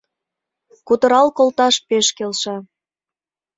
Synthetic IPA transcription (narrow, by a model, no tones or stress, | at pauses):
kut̪ə̆ɾɑlkolt̪ɑʃpeʃkelʃɑ